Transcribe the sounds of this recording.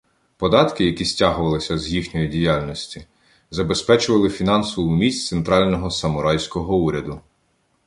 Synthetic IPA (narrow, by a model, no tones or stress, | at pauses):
pɔd̪ɑt̪kɪjɐkʲisʲtʲɑɦʊʋɐlˠɪsʲɐzjixnʲɔjidʲijalʲnɔsʲtʲi | zɐbespɛt͡ʃʊʋɐlˠɪfʲin̪ɑnsɔʋʊmʲisʲtʲt̪sent̪ɾɑlʲnɔɦɔsɐmʊɾɑjsʲkɔɦɔuɾʲɐd̪ʊ